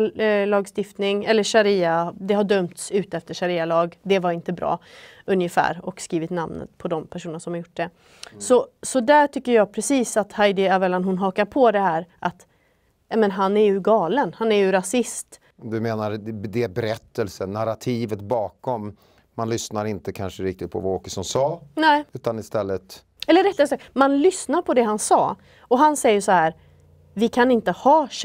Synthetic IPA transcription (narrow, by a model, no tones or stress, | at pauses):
lɑːɡst̪ɪft̪nɪŋɛlːəʂaɾiːad̪ɛɦaɖœmt̪sʉ̟ːt̪əɛft̪əʂaɾiːalɑːɡd̪ɛvaɾɪnt̪əbɾʔɑ̰ːɵnjəfæ̰ːɾɔkskiːvɪt̪namnə̰t̪pʰɔd̪ɔmpʰæʂuːnnaʂɔmhaɾjʊʈːd̪ɛ | sɔsɔd̪æʈʰʏkːəɾjɑːɡpʰɾɛsiːsat̪hajd̪ɪavɛlanɦʊnɦɑːkaɾpʰɔd̪ɛhæːɾʔat̪ | nɛmɛnɦanæɾjɵɡɑːlənhanæɾjɵɾasɪst̪ | d̪ɵmeːnaɾd̪ɛbɛɾɛt̪ːəlsənːaɾat̪ʰiːvət̪bɑːkɔmː | anlʏsnaɾɪnt̪əkʰanʂəɾɪk̚t̪ɪt̪̚pʰɔ̰vaoːkəsɔnsɑːnɛːʉ̟ːt̪anɪst̪ɛlːət̪ | ɛlːəɾɛt̪ːɛsamanlʏsnaɾpʰɔd̪ɛɦansɑ̰ː | ɔɦansɛjːəʂɔhæːɾ | vɪkʰanɪnt̪əhɑːʂ